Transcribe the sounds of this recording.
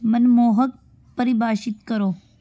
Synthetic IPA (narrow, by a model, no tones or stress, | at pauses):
mɐnmoːɦək̚ | pəɾibaːʃɪt̪kɐɾoː